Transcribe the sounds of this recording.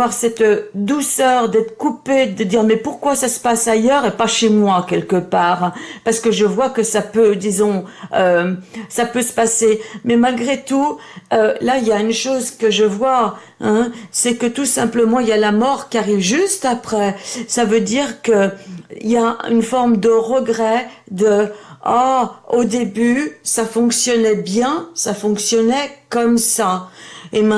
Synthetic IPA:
waʁsɛt̪d̪usœʁd̪ɛt̪χəkuped̪əd̪iʁmɛpuʁkwasasə̥pasajœʁepaʃemwakʲɛlkəpaːʁpaʁsə̥kəʒəvwakəsapød̪izɔ̃øsapøsə̥pasemɛmalɡʁet̪uølailjaynʃozkəʒəvwa | ɛ̃sɛkət̪usɛ̃pləmɑ̃iljalamɔʁkʲiaʁivʒyst̪apχɛsavød̪iʁkəḭljay̰nfɔʁmd̪əʁəɡʁɛ | d̪əaod̪ebysafɔ̃ksjɔnɛbjɛ̃safɔ̃ksjɔnɛkɔmsaemɛ̃

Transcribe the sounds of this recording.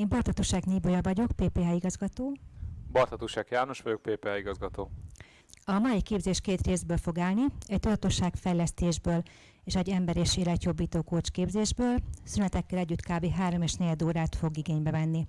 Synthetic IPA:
eːmbɒrt̪ɒt̪uʃaːɡniːbojɒvɒɟo̞kpeːpeːɦaːiɡɒzɡɒt̪oːbɒrt̪ɒt̪uʃakjaːno̞ʃʋɒɟo̞k̚peːpeaiɡɒzɡɒt̪oː | ɒmɒikeːbzeːʃkeːt̪reːzbøːlfo̞ɡaːlniɛc̚t̪ud̪ɒt̪o̞ʃaːkfɛjlɛst̪eːʒbøːl | eːʃɛɟːɛmbɛɾeːʃeːlɛɟjo̞bːiːt̪oːkoːt͡ʃkeːbzeːʒbøːlsynɛt̪ɛkːɛlɛɟːyt̪kaːbeːɦaːɾo̞meːʃneːd̪oːɾaːt̪fo̞ɡiɡeːɲbɛvɛnːi

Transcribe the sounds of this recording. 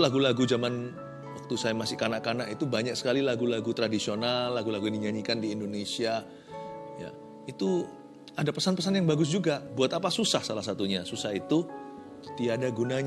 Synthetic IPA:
laɡulaɡud͡ʒaman | wak̚t̪usajamasɪkanaʔkanaʔit̪ubaɲak̚sə̥kalilaɡulaɡut̪ɾadisionalːaɡulaɡudiɲaɲikandiːndonesia | ja̰ | it̪u | adapəsanpəsanjaŋbaɡʊs̬d͡ʒuɡabuat̪apasusahsalahs̬at̪uɲasusahit̪u | t̪iadaɡunaɲ

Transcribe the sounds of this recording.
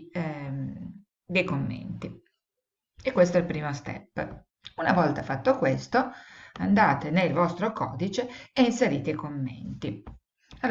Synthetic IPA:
d̪ejkomːḛnt̪i | ekːwest̪oɛilpɾiːmost̪ɛ̰pː | unavɔlt̪afat̪ːokwest̪oand̪aːt̪enelvɔst̪ɾokɔ̰ːd̪it͡ʃeːinseɾiːt̪eikomːḛnt̪i | av

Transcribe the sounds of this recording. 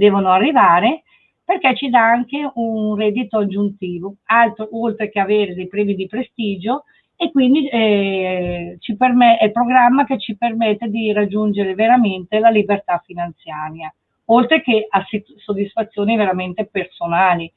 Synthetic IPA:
d̪ɛːvonoarːivaːɾe | perkɛt͡ʃːid̪aaŋkeunrɛːd̪ːit̪oad͡ʒːunt̪iːvoalt̪ɾoolt̪ɾekeaveːɾed̪ejpɾɛːmid̪ipɾest̪iːd͡ʒo | ekːwind̪iɛ | t͡ʃipermɛɛlpɾoɡɾamːaket͡ʃːipermɛt̪ːed̪irad͡ʒːund͡ʒeɾeveɾament̪elalibert̪afːinant̪sjaːɾja | olt̪ɾekeasisːod̪ːisfat̪sːjoːniveɾament̪epersonaːli

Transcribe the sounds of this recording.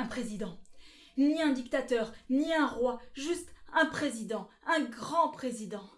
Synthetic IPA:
ɛ̃pχezid̪ɑ̃ | niɛ̃d̪ikt̪at̪œʁniɛ̃ʁwaʒyst̪ɛ̃pχezid̪ɑ̃ɛ̃ɡʁɑ̃pχezid̪ɑ̃

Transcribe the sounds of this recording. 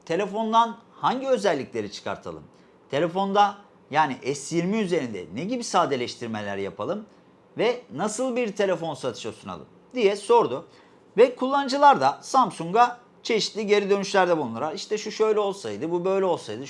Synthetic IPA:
t̪ʰe̞lʲe̞fo̞nd̪anhaɲɟiø̞zɛlʲːiclʲe̞ɾit͡ʃʰɯ̥kʰa̰ɾt̪ʰa̰lˠɯ̰m | t̪ʰe̞lʲe̞fo̞nd̪a | jaːniʔɛsjiɾmiyze̞ɾind̪ɛ̰neɟibisaːd̪e̞lʲɛʃt̪ʰiɾme̞lʲæ̰ɾja̰pʰalˠɯm | vɛnasɯlˠbiɾt̪ʰe̞lʲe̞fo̞nsat̪ʰɯ̥ʃosuna̰lˠɯ̰m | d̪ijɛso̞ɾd̪ʊ | vɛkʰulˠːanɯd͡ʒɯlˠaɾd̪asamsuŋɡa | t͡ʃʰe̞ʃi̥t̪lʲiɟe̞ɾid̪ø̞nyʃlʲæɾd̪ɛbulˠunuɾaɾiʃt̪ʰɛʃuʃø̞jlʲɛo̞lˠsajd̪ɯbubø̞jlʲɛo̞lˠsajd̪ɯ

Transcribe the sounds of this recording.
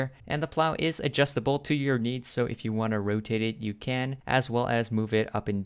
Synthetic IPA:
ɹʔɨ̰̃nðəpʰl̥aʊʔɪzɨ̰d͡ʒʌstəbl̩ˠtʰɨjə˞nidz̥soʊʔɨ̰fjɨwɑ̃nɨɹoʊtʰeɪɾɪt̚ɨkʰɨ̃nʔɨ̰zwɛlˠʔɨzmuvɪɾʌ̰pɨ̃nd

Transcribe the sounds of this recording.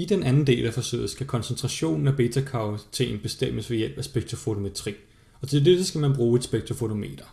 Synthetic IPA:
id̥enʔænn̩d̥e̝̰ːlæfɒ̽sø̰ːð̩ˠsɡ̥ækʰɒ̽nsənt͡sʰʁɑ̈ɕo̝̰ːnn̩æb̥e̝ːt͡sʰækʰɑ̈ʊt͡sʰe̝̰ːnb̥e̝sd̥em̰əsʋe̝jel̰b̥æsb̥eɡ̥̚t͡sʰo̝fo̝t͡sʰo̝met͡sʰʁḭː | ɒ̽t͡sʰe̝dedəsɡ̥æmænb̥ʁuːed̥sb̥eɡ̥̚t͡sʰofo̝t͡sʰo̝me̝̰ːd̥ɐ

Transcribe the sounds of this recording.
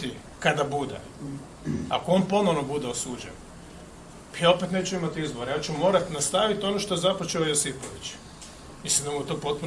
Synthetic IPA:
t̪i | kad̪abud̪ḛ | a̰koo̞npo̞noʋnobud̪eosuːd͡ʒḛn | pajao̞pet̪ne̞ːt͡ʃuimat̪izboɾejaːt͡ɕumo̞ːɾat̪nast̪aʋit̪o̞noʃt̪oezapot͡ʃeojosipoʋit͡ɕ | mislimd̪amujet̪oːpo̞t̪̚pun

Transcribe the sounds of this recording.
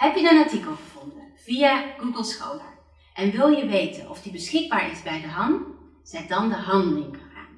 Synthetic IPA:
ɦɛpjənənɑɹtikəlˠχəv̥ɔndənv̥ijaɡ̥uɡəlˠsχowləɹ | ʔɛnʋɪlˠjəʋejtənɔfdibəsχɪɡ̚baːɹɪzbɛjdəɦɑnt | z̥ɛt̚dɑndəɦɑndəlɪŋχəχa̰ːn

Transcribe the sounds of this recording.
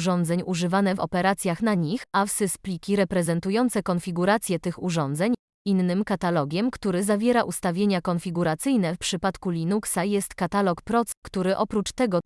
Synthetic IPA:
ʐɔnd̪zɛɲuʐɘvanɛvɔ̰pɛɾat̪sʲjaxnaɲixafsɨsplʲikʲiɾɛpɾɛzɛnt̪ujɔnt̪sɛkɔnfʲiɡuɾat̪sʲjɛt̪ɘxuʐɔnd̪zɛɲ | inːɘmkat̪alɔɡʲɛmkt̪uɾɘzavʲjɛɾaʔust̪avʲjeɲakɔnfʲiɡuɾat̪sɘjnɛfpʂɘpat̪kulʲinuksajɛst̪kat̪alɔkpɾɔt̪skt̪uɾɘʔɔpɾut͡ʂt̪ɛɡɔ

